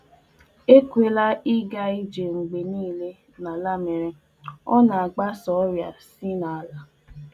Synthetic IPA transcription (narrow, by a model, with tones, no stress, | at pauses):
e˦kʷe˨la˦i˦ɡa˦i˦d͡ʒe˨ŋ͡m̩˨ɡ͡be˨niː˦le˦ | na˨la˦me˨ɾe˦ | ɔ˦na˨a˨ɡ͡ba˦sɔ˨˦ɾja˨si˦na˨a˨la˨